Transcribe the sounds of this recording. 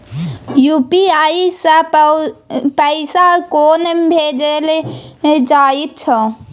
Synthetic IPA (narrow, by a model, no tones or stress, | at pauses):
jupiaisə̃ | pəɪsakonbʱed͡ʒel | d͡ʒait̪̚t͡ʃʰə